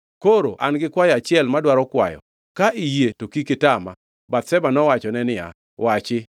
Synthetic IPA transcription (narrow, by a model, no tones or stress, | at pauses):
koɾo̰ʔanɡɪkwajat͡ʃɪɛlmadwaɾɔkwa̰jɔ̰ | kaʔijetokikɪtama̰ | bat̪sɛbanɔwat͡ʃɔnɛnɪa̰ | wat͡ʃɪ